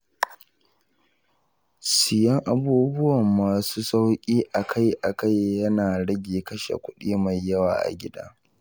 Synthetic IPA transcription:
sɪ˨jɐ˦ŋʔa˨buː˦bʊ˦wɐ˨mːaː˨suː˦sa˦wkʲʼiː˦ʔa˨kʰa˦jʔa˨ka˦jːɐ˦naː˨ɽɐ˦ɡʲeː˨kɐ˦ʃḛ˨kʷʊ˦ɗiː˦ma˨jːɐ˦waː˨ʔa̰˨ɡʲɪ˦da̰ː˦

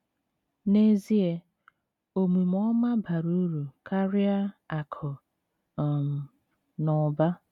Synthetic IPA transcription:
ne˦zi˦e˦ | o˨mu˨m˦ɔ˦ma˦ba˨ɾu˦ɾu˨kʰa˦ɾɪ˦a˦a˨kʰɔ˨ | m̩˨ | nɔ˨ba˦

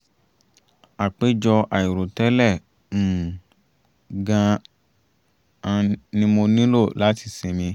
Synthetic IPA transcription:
a˨k͡pe˦d͡ʒɔ˧ʔa˨ji˨ɾo˨tɛ˦lɛ̃˦˨ | ɡã˧ | ã˧nĩ˦mo˧nĩ˦lo˦˨la˨˦ti˧sĩ˧mĩ˧

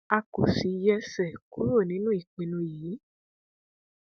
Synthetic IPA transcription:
a˧ko˨si˨jɛ˧sɛ˦˨ku˦ɾo˦˨nĩ˦nũ˦i˦˨k͡pĩ˨˧nũ˧jiː˨˦

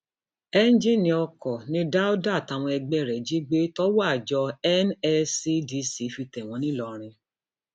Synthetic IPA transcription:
ɛ˦n˦d͡ʒĩ˦˨nĩ˧ɔ˧kɔ˨nĩ˧˦da˦o˦da˦˨ta˨w̃ɔ̃˧ɛ˧ɡ͡bɛ˦˨ɾɛ˨d͡ʒi˦ɡ͡be˦tɔ˦wa˦˨d͡ʒɔ˧ɛ˦nɛ˧si˦di˧˦si˨˦fi˧tɛ˨w̃ɔ̃˨˧nĩ˦lɔ˨˧ɾ̃ĩ˧

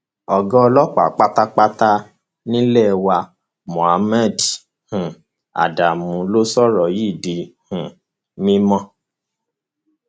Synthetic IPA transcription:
ɔ˨ɡɔ˦˧lɔ˦k͡pa̰˨k͡pa˦ta˦k͡pa˦ta˦ | nĩ˦lɛ˦˨˧wa˧ | mɔ̃˨a˨mɛ˦˨d | hũ˨ | a̰˨da˨mũ˨˧lo˦sɔ˦ɾɔ˨ji˦˨di˨hũ˨ | mĩ˦mɔ̃˦

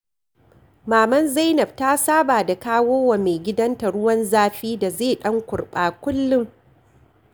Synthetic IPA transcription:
maː˨mɐ˦nza˦jnɐ˨b̚taː˦saː˦baː˨da˨kaː˦woː˦wa˨meː˨ɡʲɪ˦dɐ˦nta˨ɽʊ˦wɐ˦nzaː˦ɸiː˦da˨zeː˦˨ɗɐ˦ŋkʷʊ˨ɽɓaː˨kʷʊ˦lːʊ˦ŋ

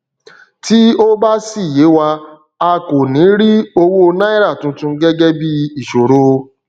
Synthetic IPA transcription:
ti˦o˦ba˦si˦˨je˨˦wa˧ | a˧ko˨nĩ˨˦ɾi˦o˧wo˦˧na˦i˦ɾa˦˨tũ˧˦tũ˧˦ɡɛ˦ɡɛ˦bi˦i˨ʃo˨ɾo˦˧

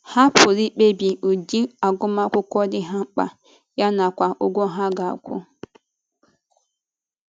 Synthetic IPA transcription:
ha˦pʰʊ˨ɾi˦k͡pe˦bi˨u˨di˦a˨ɡʊ˦ma˦kʷʊ˦kʷɔ˦dɪ˦ɦa˦ŋ͡m̩˦k͡pa̰˨ | ja˦na˨kʷa˨ʔʊ˦ɡʷo˦ɦa˦ɡa˨a̰˨kʷʊ̰˦

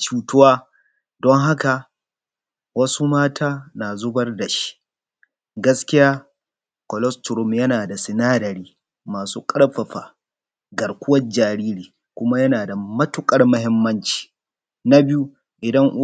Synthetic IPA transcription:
t͡ʃuː˦tʊ˦waː˦ | dɔ˦ŋɦa˦ka˨ | wɐ˦su˦maː˦tʰaː˦naː˨zʊ˦bɐ˦rda˨ʃi̥˦ʔ | ɡɐ˦skʲɪ˦jaː˦ | kɔ˨lɔ˦stʊ˨ɾʊ˦mjɐ˦naː˨da˨sɪ˨naː˦dɐ˨ɾiː˦ | maː˨suː˦kʼɐ˦ɽɸɐ˨ɸa̰ː˨ | ɡɐ˨rkʷʊ˦wɐ˦d͡ʒaː˨ɾiː˦ɾiː˨ | kʷʊ˦ma˦jɐ˦naː˨da˨mɐ˦tʊ˨kʼɐ˦rmɐ˦hɦɪ˦mːɐ˦nt͡ʃi̥ː˨ | na˦bɪ˦ju˦ | ʔɪ˨dɐ˦ŋʔ

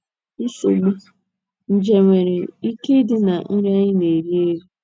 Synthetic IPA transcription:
i˦su˨ɡ͡bu˦ | n̩˨d͡ʒe˨ŋʷe˨ɾe˨i˦ke˦dɪ˦na˨n̩˦ɲ˦a˦ɲɪ˦ne˨ɾi˦e˦ɾi˦

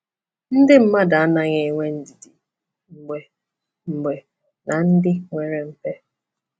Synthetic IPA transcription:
n̩˦dɪ˦m̩˦ma˦da˨a˦na˨ɲe˨ŋʷe˦n̩˨di˨di˨ | ŋ͡m̩˨ɡ͡be˨ | m̩˨ɡ͡be˨ | nʔa˨n̩˦dɪ˦ŋʷe˨ɾe˨m̩˦pe˦

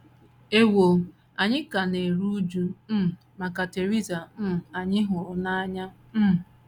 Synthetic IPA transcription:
e˦wo˨ | a˨ɲɪ˦ka˨ne˨ɾu˦d͡ʒu˦m̩˦˨ | ma˨ka˨te˨ɾi˦za˨m̩˦˨a˨ɲɪ˦ɦʊ˨na˦ɲa˦ | m̩˦˨

